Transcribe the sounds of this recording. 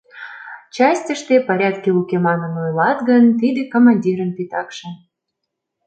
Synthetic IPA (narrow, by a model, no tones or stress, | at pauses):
t͡ɕɑsʲtʲəʃt̪epɑɾʲɑt̪keukemɑnənojlɑt̪ɡənt̪id̪ekomɑnʲdʲiɾənpit̪ɑkʃĕ